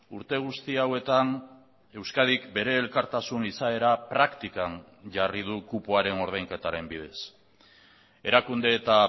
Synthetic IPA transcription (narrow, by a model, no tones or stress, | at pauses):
uɾt̪e̞ɣ̞ust̪iawe̞t̪an | e̞wskað̞ikbe̞ɾe̞ːlkaɾt̪asunisae̞ɾapɾakt̪ikan | ʝarið̞ukupoaɾe̞no̞ɾð̞ajŋke̞t̪aɾe̞mbið̞e̞s | e̞ɾakund̪e̞ːt̪a